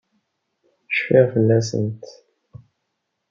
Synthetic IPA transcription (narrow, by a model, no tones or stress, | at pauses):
ʃfiʁfəlːæsə̰nt̪